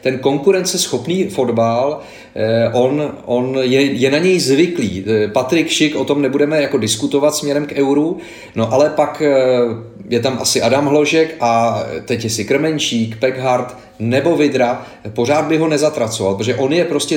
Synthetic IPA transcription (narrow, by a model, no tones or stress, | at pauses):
t̪ɛnko̞ŋkuɾɛnt̪t͡sɛsxo̞pniːfo̞dbal | ʔo̞nʔo̞njɛjɛnaɲɛjzvɪkliːpat̪ɾɪkʃɪkʔo̞t̪o̞mnɛbudɛmɛjako̞dɪskut̪o̞vat̪smɲɛɾɛmkʔɛwɾu | noʔalɛpak | jɛt̪amʔa̰sɪʔadamɦlo̞ʒɛkʔat̪ɛcjɛsɪkɾ̩mɛnt͡ʃiːkpɛɡɦaɾt̪ | nɛbo̞vɪd̪ɾa | po̞r̝aːd̪̚bɪɦo̞nɛzat̪ɾat͡sovalpɾtoʒɛʔo̞njɛpɾo̞scɛ